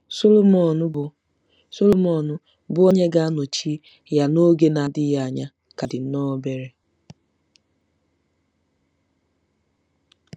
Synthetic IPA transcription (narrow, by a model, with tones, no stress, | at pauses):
so˦lo˦mɔ˨nʊ˦ʊ˨ | so˦lo˦mɔ˨nʊ˦ | bʊ˦o˦ɲe˦ɡa˦a˦no˨t͡ʃi˦ | ja˨no˦ɡe˦na˨dɪ˦ja˦a˨ɲa˦ | ka˨dɪ˨n̩˦nɔ˦be˦ɾe˦